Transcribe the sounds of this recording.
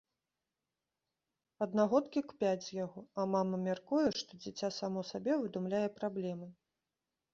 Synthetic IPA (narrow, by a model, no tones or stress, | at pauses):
ɐd̪naɣɔt̪kʲikpʲad͡zʲzjaɣɔɐmamɐmʲarkujɛʂt̪ɔd͡zʲit͡sʲasamɔsabʲɛvɨd̪umlʲajɛpɾablʲɛmɨ